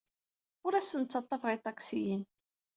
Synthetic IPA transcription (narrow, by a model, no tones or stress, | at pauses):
ʊɾæsːənt͡sːɑt̪ˤːɑfʁit̪ˤːɑksijən